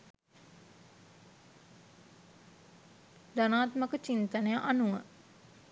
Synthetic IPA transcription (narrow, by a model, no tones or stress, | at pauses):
d̪anaːt̪məkət͡ʃint̪anəjaʔanuə̰